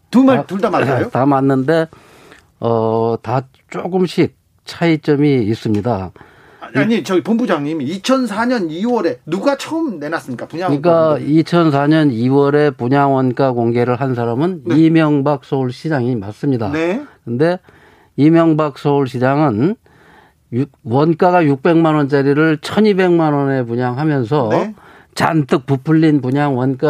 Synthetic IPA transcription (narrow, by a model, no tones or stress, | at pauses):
tumatuɭdamajotamanːɯnde̞ | ʌta | t͡ɕ͈oɡɯmɕʰik̚ | t͡ɕʰait͡ɕ͈ʌmiːs͈ɯmɲida | ɲit͡ɕʌɡipombud͡ʑaŋɲimiit͡ɕʰʌnsʰaɲʌniwʌɾe̞nuɡat͡ɕʰʌɯmne̞nas͈ɯmɲik͈apuɲaik͈ait͡ɕʰʌnsʰaɲʌniwʌɾe̞puɲaŋwʌnk͈akoŋɡe̞ɾɯɭɦans̬ʰaɾamɯnimjʌŋbak̚s͈ʰʌuɭɕʰid͡ʑaŋimas͈ɯmɲidakɯnde̞ | imjʌŋbak̚s͈ʰʌuɭɕʰid͡ʑaŋɯn | juwʌnk͈aɡajuk̚p͈e̞ŋmanwʌnt͡ɕaɾiɾɯɭt͡ɕʰʌnibe̞ŋmanʌne̞p̬uɲaŋɦamjʌns̬ʰʌ | t͡ɕant͈ʰɯk̚pupʰɯʎːinpuɲaŋwʌnk͈a